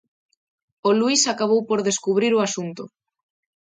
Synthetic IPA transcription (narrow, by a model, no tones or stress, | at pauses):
oluisakaβ̞owpoɾðeskuβ̞ɾiɾoasunt̪ʊ